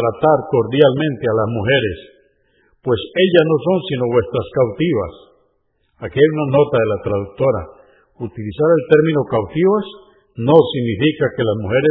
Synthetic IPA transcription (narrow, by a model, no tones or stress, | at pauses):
ɾat̪aɾko̞ɾðjalmẽnt̪ealazmuxe̞ɾes | pwe̞se̞ʎasno̞so̞nsino̞βwe̞st̪ɾaskawt̪iβa̰s | akiajunano̞t̪aðelat̪ɾaðuk̚t̪oɾa̰ | ut̪ilisaɾe̞lt̪e̞ɾmĩnokawt̪iβas | nosiɡnifikakelazmuxeɾe